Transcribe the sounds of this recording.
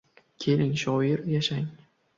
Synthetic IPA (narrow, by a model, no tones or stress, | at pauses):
kʲʰe̞lɪŋʃɒjɪɾjaʃaŋ